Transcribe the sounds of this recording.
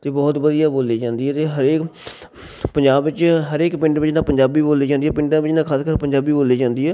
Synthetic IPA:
t̪eːbɔːt̪bəd̪ijaːboːliːd͡ʒãːnd̪iːɦɛːt̪eːɦəɾeːk | pəɲd͡ʒaːbʋɪt͡ʃɦəɾeːkpɪ̃ɳɖʋɪt͡ʃnãːpəɲd͡ʒaːbiːboːliːd͡ʒãːnd̪iːɛːpɪ̃ɳɖãːʋɪt͡ʃnãːkʰaːskəɾpəɲd͡ʒaːbiːboːliːd͡ʒãːnd̪iːɛː

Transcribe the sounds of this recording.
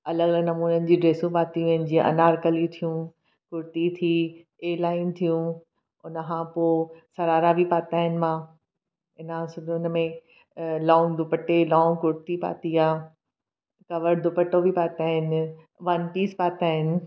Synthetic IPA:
ɐləɡɐləɡnɐmuːnənɪ̆d͡ʑiːɖɾeːsũpaːt̪iʋɐɦɪnɪ̆d͡ʑĩʔɐ̰naːɾkəlit̪ʰijũ | kʊɾt̪it̪ʰiː | eːlaːɪnt̪ʰijũ | ʊnəkʰãpoːsɐɾaːɾabʱipaːt̪aːɦɪnɪ̆mã | ɪnãsʊd̪ʱʊnəmẽ | lɔ̃ːŋɡd̪ʊpəʈelɔ̃ːŋɡkʊɽt̪ipa̰ːt̪iaː | kɐʋəɾd̪ʊpəʈobʱipaːt̪aːɦɪn | ʋɐnpiːspaːt̪aːɦɪnɪ̆

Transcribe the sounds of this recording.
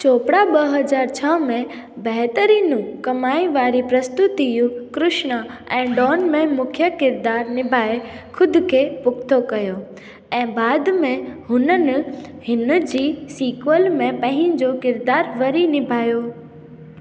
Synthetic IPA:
t͡ɕoːpɽaɓɐɦɐd͡ʑaːɾt͡ɕʰaːmẽ | bɛɦt̪əɾiːnũkɐmaːĩʋaːɾipɾɐst̪ʊt̪ijũkɾɪʃnəɛ̃ːɖɔːnmẽmʊkʰjəkɪɾd̪aːɾnɪbʱaːexʰʊd̪ʱʊ̆kʰeːpʊkt̪ʰokɐjo | ɛ̃ːbaːd̪mẽɦʊnənɪ̆hɪnd͡ʑiːsiːkʋəlmẽpɐ̃ɦɪ̃d͡ʑokɪɾd̪aːɾʋɐɾinɪbʱaːjo

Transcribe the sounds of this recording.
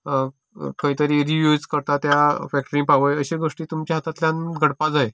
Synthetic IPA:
kəɦit̪əɾiːɾiʋjud͡zkəɾt̪at̪jafɛk̚ʈɾĩŋpaʋəjəɕeɡoʂʈiːt̪umt͡ɕjaɦat̪at̪ljãnɡʱəɽpad͡zae

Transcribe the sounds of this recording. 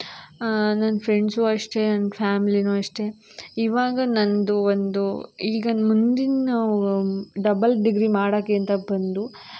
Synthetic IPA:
nɐnːɐpʰɾe̞ɳɖsuːɐʂʈe̞nɐnːpʰaːmilinuːɐʂʈe̞ | iʋaːɡɐnɐnd̪uʋond̪uiːɡɐmund̪inːɐ | ɖɐbɐlɖiɡɾimaːɽokːeɐnt̪ɐbɐnd̪u

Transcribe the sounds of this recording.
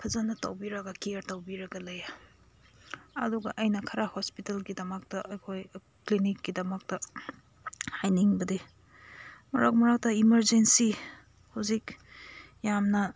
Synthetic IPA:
pʰɐzanːɐta̰wbiɾɐɡɐkiɾtawbiɾɐɡɐlɐja | ɐ̰duɡɐ̰ʔɐjnɐkʰɐɾahospitelɡidɐmɐk̚tɐʔɐjkʰoj | klinikːidɐmɐk̚tɐ | hajniŋbɐdi | mɐɾa̰k̚mɐɾak̚tɐimɐɾzensi | hawzik | jamnɐ

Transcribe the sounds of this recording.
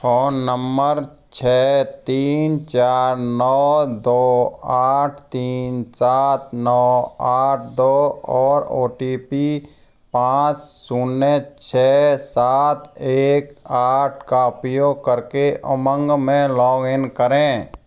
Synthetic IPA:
fʰoːnnəmbəɾ | t͡ʃʰɛːt̪iːnt͡ʃaːɾnɔːd̪oːaːʈʰt̪iːnsaːt̪̚ʰnɔːaːʈʰd̪oːɔːɾoːʈiːpi | pãːt͡ʃsuːnːet͡ʃʰɛːsaːt̪ʰeːkaːʈʰkaʊpjoɡ̚kəɾkeʔəmə̃ŋɡmẽlɔːɡɪnkəɾẽː

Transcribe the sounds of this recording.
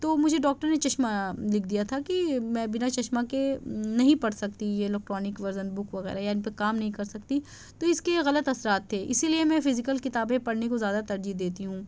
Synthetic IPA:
t̪oːmʊd͡ʒʱeɖɔːk̚ʈəɾnet͡ʃɐʃmalɪk̚ʰd̪ijat̪ʰakimɛ̃ːbɪnat͡ʃɐʃmakenɐɦĩpɐɽsɐkt̪ijeːlɛk̚ʈɾɔːnɪkʋɐɾzənbʊkʋɐɣɛ̰ːɾajaːɪnipekaːmnɐɦĩkɐɾsɐkt̪i | t̪oɪskeɣɐlət̪ɐsɾaːt̪ʰːeːʔɪsiliemɛ̃fɪzɪkəlkɪt̪aːbẽpɐɽnekozjaːd̪at̪ɐɾd͡ʒiɦd̪eːt̪iɦũː

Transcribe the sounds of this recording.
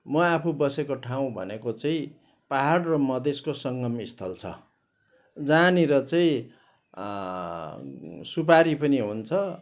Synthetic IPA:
mʌapʰubʌsekoʈʰaw̃bʱʌ̰nekot͡sʌĩ | paɦaɽrʌmʌd̪ʱeskosʌŋɡʌmist̪ʰʌlt͡sʰʌ̰ | d͡zaniɾʌt͡saĩ | supaɾipʌniɦunt͡sʰʌ

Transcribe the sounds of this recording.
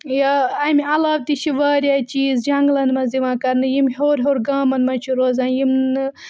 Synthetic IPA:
jaɐmiɐlaːʋt̪it͡ʃʰiʋaːɾʲaːt͡ʃiːzd͡ʒɐŋɡlɐnmɐziʋãːkɐɾnɨjimɦoːɾʲɦoːɾɡaːmɐnmɐt͡ʃʰuɾoːzaːnjimɨ

